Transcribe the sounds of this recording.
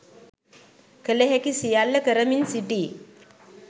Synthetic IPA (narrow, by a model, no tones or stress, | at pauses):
kəleɦekisijalːɐkɐɾɐminsiɖiː